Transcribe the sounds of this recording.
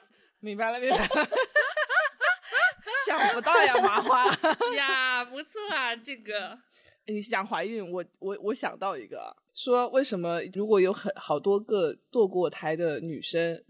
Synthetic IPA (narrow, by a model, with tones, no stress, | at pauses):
mi˧˥ŋba˧ɪlə˨˩mi˧˥ŋba˨˩ | ɕjɑ˨˩ŋpu˧˥t̪ɑ˥˩ʊja˨˩ma˧˥xwa˥˩japu˧˥sʰɔ˥˩ɐ˨˩ʈ͡ʂɤ˥˩ɡə˩ | ni˨˧˥ɕjɑ˨˩ŋxwa˧˥ɪy˥˩nwɔ˨˧˥wɔ˧˥wʔɔ˧˥ɕjɑ̰˨˩ŋt̪ɑ˥˩ʊḭ˧˥ɡə̰˧˩ʂwɔ˥we˥˩ɪʂə˧˥nmə˧ɻu˧˥kwɔ˧˥jo˧˥ʊxə˧˩nxɑ˨˩ʊt̪wɔ˥kɤ˥˧t̪wɔ˥˧kwɔ˥˩t̪ʰa˧˥ɪd̪ə˧ny̰˨˩ʂə˥ŋ